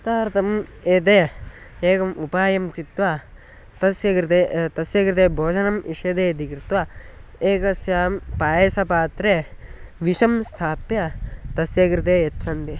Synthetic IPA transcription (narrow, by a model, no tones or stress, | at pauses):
t̪aːɾt̪ʰɐmeːt̪̬eː | eːkɐmupaːjɐmt͡ʃit̪ʋa | t̪ɐsjɐkɾit̪eːt̪ɐsjɐkɾit̪eːbʱoːd͡ʒɐnɐmiʂeːd̪eːɐd̪ʱikɾit̪ʋaeːkɐsjaːmpaːjeːsɐpaːt̪ɾeʋiʃɐmst̪ʰaːpjɐt̪ɐsjɐkɾit̪eːjɐtːt͡ʃʰɐnd̪i